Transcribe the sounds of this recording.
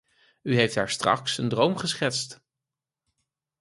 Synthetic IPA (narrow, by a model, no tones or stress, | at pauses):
yɦejftɦa̰ːɹstrɑ̰ksəndrowmχəsχɛtst